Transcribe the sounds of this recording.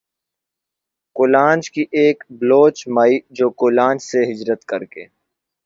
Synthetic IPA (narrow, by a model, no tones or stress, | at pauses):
kʊlãːnd͡ʒkiʔeːkbloːt͡ʃmaːid͡ʒoːkʊlãːnd͡ʒseɦɪd͡ʒɾət̪kɐɾkḛː